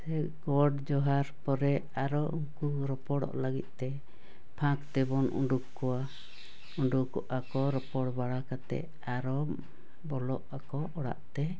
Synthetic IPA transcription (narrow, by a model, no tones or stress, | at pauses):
sɛ | ɡɔɖd͡ʒɔɦaɾpɔɾɛ | aɾɔuŋku | ɾɔpɔɽɔ̰ʔləɡit̪̚ˀt̪ɛ | pʰãkt̪ɛbɔnʔṵɳɖukkɔwa | uɳɖukɔʔakɔɾɔpɔɽbaɽakat̪ɛ̰ʔ | aɾɔ | bɔlɔʔakɔ | ɔɽa̰ʔt̪ɛ